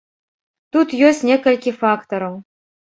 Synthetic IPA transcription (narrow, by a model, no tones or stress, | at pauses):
t̪ut̪jøsʲnʲekəlʲkʲifakt̪oɾo